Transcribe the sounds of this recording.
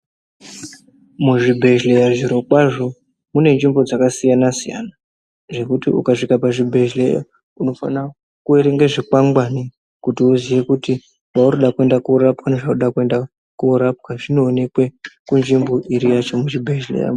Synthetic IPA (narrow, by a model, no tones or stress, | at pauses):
muʐibʱe̞ʒlejaʐiɾo̞kwaʐo̞ | mune̞nd͡ʒimbo̞d͡zakasijanasija̰na | ʐe̞kutḭṵkaʂikapaʐibʱe̞ʒleja̰ | uno̞fa̰na | kueɾe̞ŋɡeʐikaŋɡwani | kutiuzije̞kuti | ʋauɾoɗakue̞ndakuɾapwaneʐauɗakue̞nda | kuːɾap̚kaʐino̞ːne̞kwekund͡ʒimbo̞ʔiɾijat͡ʃo̞mut͡ʃibʱeʒlḛja̰